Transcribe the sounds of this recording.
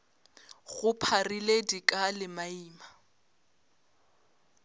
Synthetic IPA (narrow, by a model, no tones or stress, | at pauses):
ɣʊpʰariledikʼalɪmaiːma